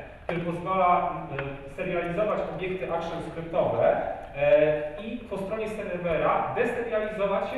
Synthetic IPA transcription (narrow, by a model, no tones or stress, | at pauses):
kt̪uɾɘpɔzvala | sɛɾjalʲizɔvat͡ɕɔbʲjɛk̚t̪ɘʔakʂɔnskɾɘp̚t̪ɔvɛ | ipɔst̪ɾɔɲɛsɛɾɛɾmɛɾad̪ɛsɛɾjalʲizɔvat͡ɕɕ